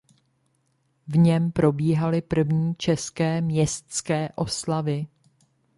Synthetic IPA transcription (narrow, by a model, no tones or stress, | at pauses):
vɲɛmpɾo̞biːɦalɪpr̩vɲiːt͡ʃɛskɛːmɲɛst̪skɛːʔo̞slavɪ